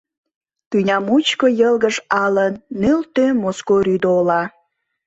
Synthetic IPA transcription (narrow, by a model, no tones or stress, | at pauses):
t̪ynʲɑmut͡ɕkojəlɣəʒɑlənːølt̪ømoskoɾyd̪oolɑ